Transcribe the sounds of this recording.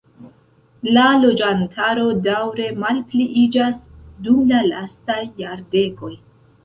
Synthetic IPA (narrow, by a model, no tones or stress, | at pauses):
lalo̞d͡ʒantʰaɾo̞dawɾe̞malpliʔid͡ʒasdumlala̰stajːaɾde̞ko̞j